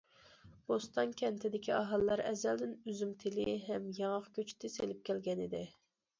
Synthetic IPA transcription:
bost̪ɑnkʲʰɛnt̪ʰɪd̪ɪkʲiɑɦɑlˠːɑɾɛzɛld̪ɪnyzymt̪ʰɪlɪɦɛmjɑŋəqkʲʰøt͡ʃʰt̪ʰɪselɪp̚kʲɛlɡʲɛnɪd̪ɪ

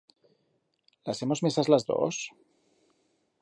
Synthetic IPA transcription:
lase̞mo̞zmesazlazðo̰s

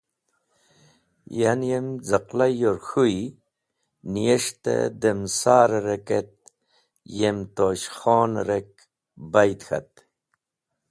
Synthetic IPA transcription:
janjemd͡zaqlajoɾxuj | nijeʂt̪ḛd̪emsaːɾɾeket̪̚ | jemt̪oɕxoːnɾek̚ | bajt̪xa̰t̪

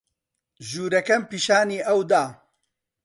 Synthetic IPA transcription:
ʒuːɾɐkɐmpiːʃaːniːʔɐwd̪aː

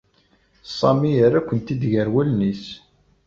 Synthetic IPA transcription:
sˤːɑmijəɾækʷːənt̪id̪ʝəɾwælnis

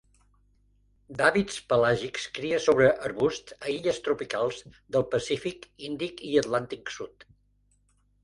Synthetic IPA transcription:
d̪aβit̪spəlaʒikskɾiəsoβɾəʔəɾβust̪əiʎəst̪ɾupikalˠzðəlˠpəsifikind̪ikiət̪lant̪iksut̪

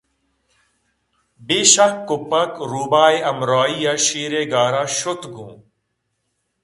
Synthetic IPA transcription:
beːʃakːʊpɐkɾuːbaːeɐmɾaːijaʃiːɾeːɡaːɾaːʃʊt̪ɡũː

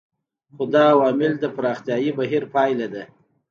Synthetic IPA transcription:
xod̪ɑːwɑmɪld̪əpaɾɑxt̪jɑjibaɦiɾpɑjlad̪a

